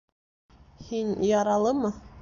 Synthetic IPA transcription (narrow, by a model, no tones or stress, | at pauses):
hinjɑɾɑlˠɤmɤ